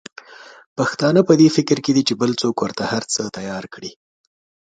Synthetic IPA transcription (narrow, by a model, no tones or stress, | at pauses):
paxt̪ɑnəpəd̪efɪkɾked̪it͡ʃebəlt͡sokwəɾt̪ahaɾt͡sət̪ajɑɾkɽi